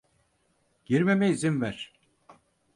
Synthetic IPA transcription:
ɟ̥iɾmemɛizinvæɾ̥

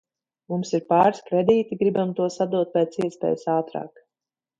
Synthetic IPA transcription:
mumsiɾpaːɾskɾɛd̪iːt̪iɡɾibamt̪uɔsad̪uɔt̪̚pʲɛːt̪siɛspʲɛ̰ːjsaːt̪ɾa̰ːk

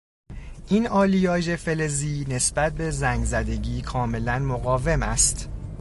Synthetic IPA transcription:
ʔiːnɒːlijɒːʒe̞fe̞le̞ziːne̞sb̥æt̪̚be̞zæŋɡzæd̪e̞ɟiːkʰɒːme̞lænmoɣɒːve̞mæst̪

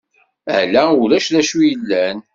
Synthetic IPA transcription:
ə̰ʕlæuɾæʃðæʃujəlːæn

